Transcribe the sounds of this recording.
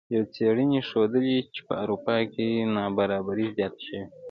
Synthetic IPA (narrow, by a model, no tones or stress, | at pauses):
jawt͡seɽəniʃod̪əlit͡ʃe̥pə̰aɾupɑkenɑbaɾɑbaɾizjɑt̪ʃəwi